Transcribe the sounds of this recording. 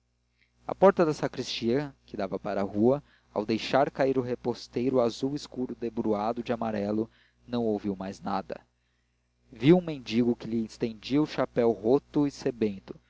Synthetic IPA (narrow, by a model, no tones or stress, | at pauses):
ɐ̰pɔɾt̪ɐd̪ɐsakɾist͡ʃiɐkɪd̪avɐpaɾɐahuɐ | a̰wd̪ejʃaɾkaiɾʊɦepost̪ejɾʊazuwiskuɾʊd̪ebɾuad̪ʊd͡ʒɪamaɾɛlʊ | nɐ̃w̃owviwmajznad̪ɐ̰ | viwũmẽnd͡ʒiɡʊkɪlɪĩst̪ẽnd͡ʒiɐʊʃapɛwɦot̪ʊisebẽnt̪ʊ̥